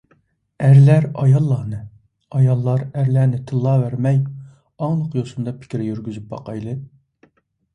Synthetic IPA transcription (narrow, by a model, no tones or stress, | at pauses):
æɾlæɾɑjɑlˠːɑnɨ | ɑjɑlˠːɑɾæɾlæɾnɪt̪ʰɨlˠːɑvæɾmɛj | ɑŋlˠəqjosund̪ɑpʰɪ̥kʲɾɪjyɾɡʲyzyp̚bɑ̰qʰɑjlˠɨ